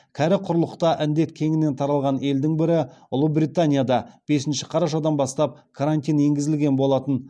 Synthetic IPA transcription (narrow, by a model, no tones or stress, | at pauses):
kʲʰæɾɪqʰʊɾlˠəqt̪ɑʔɪnd̪e̞t̪kʲʰe̞ŋɪne̞nt̪ʰɑɾɑlˠʁɑne̞ld̪ɪŋbɪɾɪʊlˠəbɾijt̪anʲijad̪ɑb̥e̞sɪnʃɪ̥qʰɑɾɑʃ̬ɑd̪ɑnbɑst̪ɑp̚kʰaɾant̪ʲijnje̞ŋɡʲɪzɪlɡʲe̞nbo̞lˠɑt̪ən